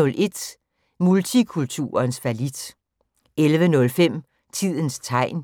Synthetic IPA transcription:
ɔ̽lʔe̝d̥ | mult͡sʰikʰult͡sʰṵːɐnsʋælid̥ | elʋənɔ̽lfem̰ | t͡sʰið̞̰ˠənst͡sʰɑ̈ɪ̰n

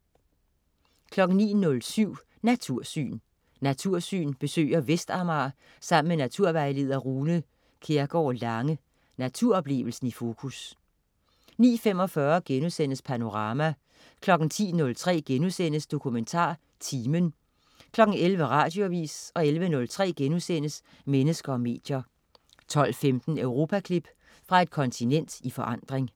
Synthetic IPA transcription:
kʰlɒ̽ɡ̥n̩nḭːnɔ̽lsyʊ̰ | næt͡sʰuɐ̰sy̰ːn | næt͡sʰuɐ̰sy̰ːnb̥e̝sø̰ːɪɐʋesd̥ɑ̈mɑ̈ | sɑ̈m̰n̩menæt͡sʰuɐ̰ʋɑ̈ɪle̝ð̰ˠɐʁuːnə | kʰe̝ɐɡ̥ɒ̰ːlɑ̈ŋə | næt͡sʰuɐ̰ɒ̽b̥le̝̰ːʋl̩sn̩ifo̝ːkʰus | nḭːfem̰ɒ̽fɶːɐɡ̥enusen̰əspʰæno̝ʁɑ̈ːmæ | kʰlɒ̽ɡ̥n̩t͡sʰḭːnɔ̽lt͡sʰʁɛ̰ːɡ̥enusenəsd̥o̝kʰument͡sʰɑ̰̈ː | t͡sʰiːmən | kʰlɒ̽ɡ̥n̩elʋəʁɑ̈ːd̥jo̝æʋḭːsɒ̽elʋənɔ̽lt͡sʰʁɛ̰ːɡ̥enusen̰əs | menəsɡ̥ɐɒ̽me̝̰ːd̥jɐ | t͡sʰɒ̽l̰femd̥n̩øʊʁo̝ːpʰækʰlib̥ | fʁɑ̈e̝d̥̚kʰɒ̽nt͡sʰinen̰d̥ifɒ̽ʔɑ̈n̰d̥ʁeŋ

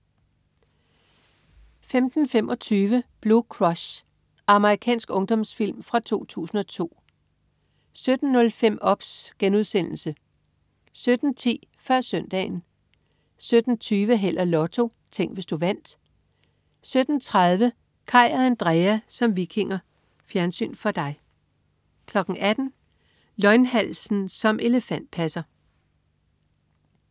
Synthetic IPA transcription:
femd̥n̩femʔɒ̽t͡sʰyːʋəb̥lukʰʁɒ̽ɕ | ɑ̈məʁikʰɛ̰ːnsɡ̥ɔ̽ŋd̥ɒ̽msfil̰mfʁɑ̈t͡sʰo̝̰ːt͡sʰṵːsn̩ɒ̽t͡sʰo̝̰ː | sød̥n̩ːɔ̽lfem̰ʔɒ̽b̥sɡ̥enuð̞ˠsen̰l̩sə | sød̥n̩t͡sʰḭːfɶɐ̰sœn̰d̥ɛ̰ːn̩ | sød̥n̩t͡sʰyːʋəɦel̰ʔɐlɒ̽t͡sʰo̝ | t͡sʰeŋ̰ɡ̥ʋe̝sd̥uʋæn̰d̥ | sød̥n̩t͡sʰʁað̞ˠʋə | kʰɑ̈ɪ̰ɒænd̥ʁɛæsɒ̽mʋikʰe̝ŋɐ | fjæɐnsy̰ːnfɒ̽d̥ɑ̈ɪ | kʰlɒ̽ɡ̥ŋ̩ʔæd̥n̩ | lɒ̽ɪnhæl̰sn̩sɒ̽mʔe̝ləfæn̰d̥̚pʰæsɐ

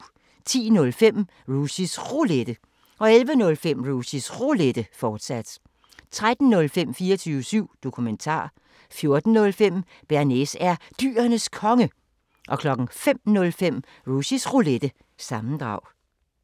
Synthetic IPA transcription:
t͡sʰḭːnɔ̽lfem̰ | ʁusisʁuled̥ə | ʔɒ̽elʋənɔ̽lfem̰ʁusisʁuled̥əfɒːd̥sæd̥ | t͡sʰʁad̥n̩ːɔ̽lfem̰fiːɐt͡sʰyːʊəsyʊ̰d̥o̝kʰument͡sʰɑ̰̈ː | fjo̝ɐd̥n̩nɔ̽lfem̰ | b̥æɐne̝sæɐd̥y̰ːɐnəskʰɒ̽ŋə | ʔɒ̽kʰlɒ̽ɡ̥ŋ̩fem̰nɔ̽lfem̰ | ʁusisʁuled̥ə | sɑ̈mn̩d̥ʁɑ̈ʊ̰

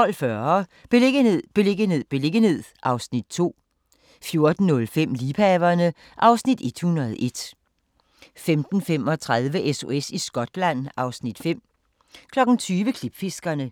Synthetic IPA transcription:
t͡sʰɒ̽l̰fɶɐb̥e̝leɡ̥əeðˠb̥e̝le̝ɡ̥əne̝ð̰ˠb̥e̝le̝ɡ̥əhe̝ð̰ˠʔɑ̈ʊsnid̥̚t͡sʰo̝̰ː | fjo̝ɐd̥n̩ːɔ̽lfem̰liːpʰæʋɐnə | ʔɑ̈ʊsnid̥e̝d̥hunɐð̞̩ˠʔe̝d̥ | femd̥n̩fem̰ɒ̽t͡sʰʁað̞ˠʋəʔeso̝esisɡ̥ɒ̽d̥læn̰ɑ̈ʊsnid̥fem̰ | kʰlɒ̽ɡ̥n̩t͡sʰyːʋəkʰlib̥fe̝sɡ̥ɐnə

